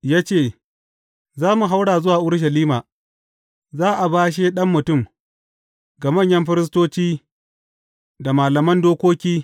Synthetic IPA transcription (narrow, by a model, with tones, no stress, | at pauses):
jaː˦t͡ʃeː˦˨ | zaː˦mu˨ɦa˦wɽaː˨zʊ˦waː˨ʔʊ˦ɽʃ̬ɐ˨liː˦maː˨ | zaː˦ʔa˨baː˦ʃ̬e˦ɗɐ˦mːʊ˨tʊ˦˨m | ɡa˨mɐ˦˨ɲjɐ˦mɸɪ˦ɾɪ˦s̬toː˦t͡ʃiː˦ | da˨maː˨lɐ˨mɐ˦ndoː˦kʷoː˦kʲiː˦